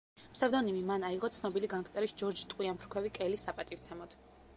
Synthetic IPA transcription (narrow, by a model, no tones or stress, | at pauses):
msavd̪ɔnimimanaiʁɔt̪sʰnɔbiliɡankt̪sʼɛɾisd͡ʒɔɾd͡ʒit̪ʼqʼwiampʰɾkʰwɛvikʼɛlisːapʼat̪ʼivt̪sʰɛmɔd̪̥